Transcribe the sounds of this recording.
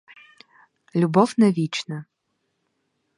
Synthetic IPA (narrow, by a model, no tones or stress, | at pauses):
lʲubɔwnɛʋʲit͡ʃnɐ